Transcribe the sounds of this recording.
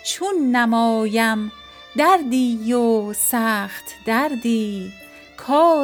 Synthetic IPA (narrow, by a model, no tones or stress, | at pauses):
t͡ʃʰunːæmɒːjæm | d̪æɾd̪iːjosæːχt̪d̪æɾd̪iː | kʰɒː